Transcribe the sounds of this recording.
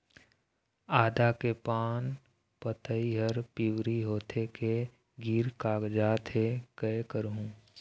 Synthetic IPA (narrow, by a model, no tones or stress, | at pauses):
aːd̪akepaːn | pət̪əiɦəɾpiwɾiɦoːt̪ʰeke | ɡiːɾkaːɡd͡ʒaːt̪ʰɦekəekəɾɦũː